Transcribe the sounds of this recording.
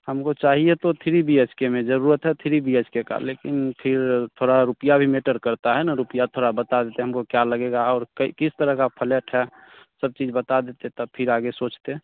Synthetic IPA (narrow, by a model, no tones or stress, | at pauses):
həmkot͡ʃaɦijet̪ot̪ʰiɾibʱiet͡ʃkemẽd͡ʒəɾuɾət̪ɦɛt̪ʰiɾibʱiet͡ʃkeka̰lekinpʰɪɾt̪ʰoɽaɾupijabʱimeʈəɾkəɾt̪aɦɛnaɾupijat̪ʰoɽabət̪ad̪et̪eɦəmkokjaləɡeɡaɔːɾkikist̪əɾəɦkapʰəleʈɦɛ | səb̚t͡ʃid͡ʒbət̪ad̪et̪et̪ɔpʰɪɾaɡesot͡ʃt̪e